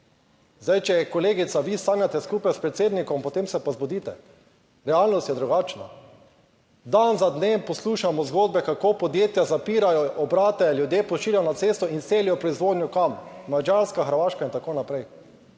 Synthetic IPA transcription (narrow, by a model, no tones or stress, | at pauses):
zd̪ajt͡ʃɛkɔleːɡit̪saʋist̪aːnjat̪ɛskuːpajspɾɛt̪seːd̪nikɔmpɔt̪emsɛpazbod̪iːt̪ɛ | ɾɛalnɔst̪jɛd̪ɾuɡaːt͡ʃna̰ | d̪anzad̪neːmpɔsluːʃamɔzɡoːd̪̚bɛkakopɔd̪jeːt̪jazapiːɾajɔʔɔbɾaːt̪ɛljud̪jeːpɔʃiːljaɔnat̪seːst̪ɔinseːlijɔpɾɔizʋoːd̪njukammad͡ʒaɾskaxəɾʋaːʃkaint̪akoːnapɾɛj